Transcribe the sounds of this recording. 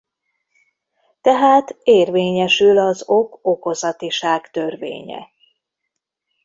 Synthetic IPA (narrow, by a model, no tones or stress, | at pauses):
t̪ɛɦaːt̪eːrveːɲɛʃylɒzo̞koko̞zɒt̪iʃaːkt̪ø̞rvḛːɲɛ̰